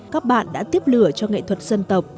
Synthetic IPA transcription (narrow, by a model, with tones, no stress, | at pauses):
kaː˦˥k̚ɓa̰ː˧˨nɗa̰ː˧˥t̪i˦˥əp̚lɨ˧˩ət͡ɕɔ˧ŋḛ˧˨t̪ʰwə˨˩t̚sə˧nt̪ə˨˩wk͡p̚